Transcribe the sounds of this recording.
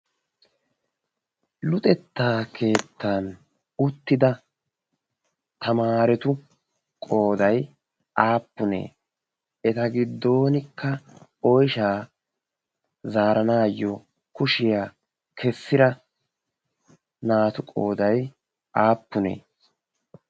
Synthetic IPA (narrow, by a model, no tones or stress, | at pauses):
lʊt̪ʼɛt̪ːaːkʰe̞ːt̪ːan | ʊt̪ːɪd̪ɐ | t̪ɐmaːɾɛt̪ʊ | kʼo̞ːd̪ɐj | ʔaːpːʊnḛː | ɛt̪ɐɡɪd̪ːo̞ːnɪkʰːɐɔjʃaː | zaːɾɐnaːjːɔ | kʊʃɪjaː | kʰɛsːɪɾɐ | naːt̪ʊkʼo̰ːd̪ɐj | ʔaːpːʊnḛː